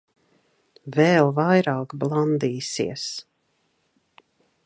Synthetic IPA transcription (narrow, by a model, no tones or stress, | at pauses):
vɛːlˠvajɾaːkblˠand̪iːsḭɛs